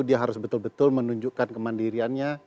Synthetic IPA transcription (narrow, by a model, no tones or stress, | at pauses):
diaɦaɾʊsbət̪ʊlbət̪ʊlmənuɲd͡ʒuʔkankəmandiɾianɲa